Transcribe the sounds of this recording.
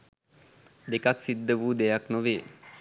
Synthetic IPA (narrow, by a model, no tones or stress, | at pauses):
d̪ekaksid̪ːəʋuːd̪ejaknoʋeː